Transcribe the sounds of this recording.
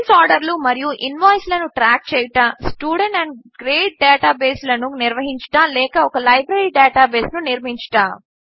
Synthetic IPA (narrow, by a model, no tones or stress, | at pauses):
saːɾɖɐɾlumɐɾijuʔinʋaːjslɐnuʈɾaːk̚t͡ʃɛːjʈaːsʈjuːɽeɳʈɐɳɖɡɾeːʈ̚ɖɛːʈaːbeːslɐnuniɾʋɐɦiɲt͡ʃʈaːlɛːkɐɔkɐlɐjbɾɐɾiːɖɛːʈaːbeːsnuniɾmiɲt͡ʃʈaː